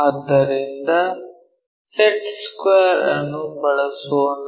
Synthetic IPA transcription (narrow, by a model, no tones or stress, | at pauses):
aːd̪ːɐɾind̪ɐ | seʈskeːɾɐ̰nːubɐɭɐsuon